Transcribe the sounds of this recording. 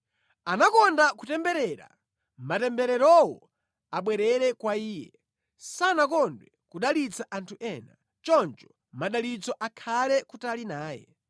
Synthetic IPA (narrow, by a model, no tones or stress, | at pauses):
anakɔndakutɛmbɛɾɛːɾa̰ | matɛmbɛɾɛɾɔwɔ | aɓwɛɾɛɾɛkwaiːjɛ | sanakɔndwɛkuɗalit͡saʔantʰuʔɛːna | t͡ʃɔnt͡ʃɔ̥ | maɗalit͡sɔʔakʰalɛkutalinaːjɛ̰